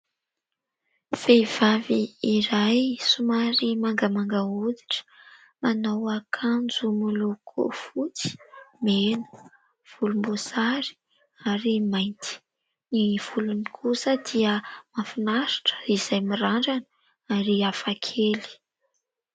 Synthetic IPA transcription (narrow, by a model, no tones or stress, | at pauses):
fev̥aviiɾajsumaɾimaŋɡəmaŋɡaud̪i̥ʈ͡ʂə̥ | manawakʰand͡zumulukʰo̰fut͡si̥menə̥ | v̥ulumbosaɾi̥ | aɾimajnt̪i̥ | niv̥ulunikʰusəd̪̥iəmafinaɾi̥ʈ͡ʂə̥iz̥ajmiɾaɳɖ͡ʐan | aɾiafakʰeli̥